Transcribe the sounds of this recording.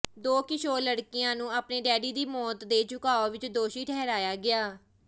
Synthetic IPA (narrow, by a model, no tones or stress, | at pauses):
d̪oːkɪʃʰoːləɽkɪjãːnũːaːpneːɖɛːɽiːd̪iːmɔːt̪d̪eːt͡ʃʊkaːoːʋɪt͡ʃd̪oːʃiːʈʰɛːɾaːjaːɡɪaː